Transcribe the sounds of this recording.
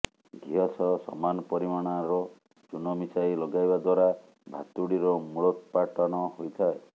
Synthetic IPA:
ɡʱiɦɔsɔsɔ̰manɔpɔɾimaɽ̃aɾɔ | t͡ʃunɔmisajlɔɡajbad̪waɾa | bʱa̰t̪uɽiɾɔmuɭɔt̪ɔpaʈɔnɔɦojt̪ʰae

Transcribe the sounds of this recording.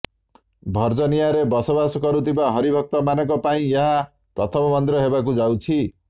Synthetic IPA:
bʱʌrd͡zʌnijaɾebʌsobaskʌɾut̪ibaɦʌɾibʱʌk̚t̪ʌmanʌkopaĩjʌɦa | prʌt̪ʰʌmʌmʌnt̪ɾʌɦebakud͡zaw̃t͡sʰi

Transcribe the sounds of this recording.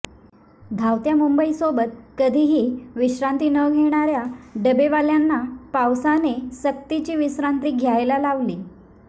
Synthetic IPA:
d̪ʱawt̪jamumbəisobət̪̚kəd̪ʱiːɦiːʋiɕɾãnt̪iːnəɡʱeɽ̃aɾjaɖəbeʋaljanːapawsanesək̚t̪it͡ɕiːʋiɕɾant̪iːɡʱjajlalaʋliː

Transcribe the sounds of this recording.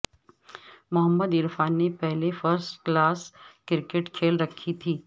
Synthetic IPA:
mʊɦəmːəd̪ɪɾfaːnːepɛɦlefəɾsʈklaːskɪɾɪkeʈkʰeːlɾɐkʰːit̪ʰiː

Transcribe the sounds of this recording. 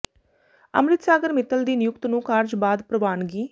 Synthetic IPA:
ə̰mɾɪt̪saːɡəɾmɪt̪əld̪iːnɪjʊkt̪nũːkaːɾd͡ʒbaːd̪pɾəʋaːnɡiː

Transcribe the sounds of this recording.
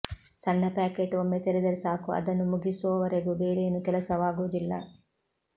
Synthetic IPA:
sɐnːɐpaːkeːʈomːet̪eɾed̪ɐɾesaːkuɐ̰d̪ɐnːumuɡisuʋɐʋɐɾeɡubeːɾenukɛlɐsɐʋaːɡuːd̪ilːɐ̰

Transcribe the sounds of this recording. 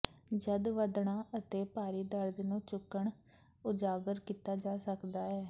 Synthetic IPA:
d͡ʒəd̪ʋəd̪ɳaːʔət̪eːpaːɾiːd̪əɾd̪nũːt͡ʃʊkːəɳ | ʊd͡ʒaːɡəɾkiːt̪aːd͡ʒaːsəkd̪aːɛː

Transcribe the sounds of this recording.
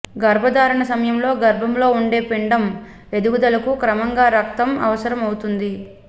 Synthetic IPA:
ɡɐɾbʱɐd̪aːɾɐɳɐsɐmɐjɐmlo̞ːɡɐɾbʱɐmlo̞ːuɳɖe̞ːpeɳɖɐm | e̞d̪uɡud̪ɐlɐkukɾɐmɐŋɡaːɾɐk̚t̪ɐmɐ̰ʋɐsɐɾɐmɐwut̪und̪i

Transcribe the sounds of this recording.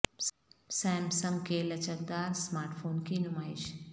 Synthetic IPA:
sɛːmsɐmkeːlɐt͡ʃɐk̚d̪aːɾsmaːɾʈfʰoːnkiːnʊmaːɪʃ

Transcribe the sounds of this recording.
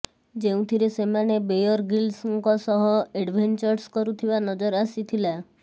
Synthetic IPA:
d͡ʒeũt̪ʰiɾesemanebejɔɾɡilsɔŋkɔsɔɦɔeɖbʱent͡ʃɔɾskɔɾut̪ʰibanɔd͡ʒɔɾasit̪ʰila

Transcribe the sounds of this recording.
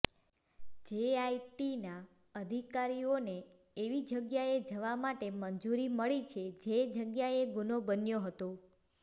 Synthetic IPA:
d͡ʒeaiʈina | əd̪ʱikaɾioneː | ʋid͡ʒəɡjaed͡ʒəʋamaʈeməɲd͡ʒuɾiməɭit͡ʃʰed͡ʒed͡ʒəɡjaeɡunobənjoɦət̪o

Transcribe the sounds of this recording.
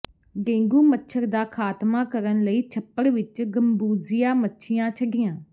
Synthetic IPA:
ɡẽːŋɡuːmətːʃʰəɾd̪aːkʰaːt̪maːkəɾənləiːt͡ʃʰəpːəɽʋɪt͡ʃɡəmbuːzɪjãːmətːʃʰɪjãːt͡ʃʰəɖɪjãː

